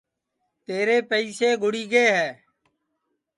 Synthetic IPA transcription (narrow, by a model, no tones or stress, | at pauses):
t̪eːɾeːpəiːseːɡʱʊɽiːɡeːɦɛː